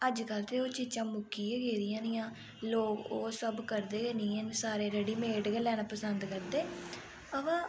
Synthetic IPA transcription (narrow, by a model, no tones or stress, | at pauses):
əd͡ʒkəlt̪eːoːt͡ʃiːt͡ʃãːmʊkːiːeɡeːɾɪjãːnɪjãː | loːkoːsəbkəɾd̪eːɡeːniːɛnsaːɾeːɾəɖiːmeːʈɡəlɛːnaːpəsənd̪kəɾd̪eː | əʋãː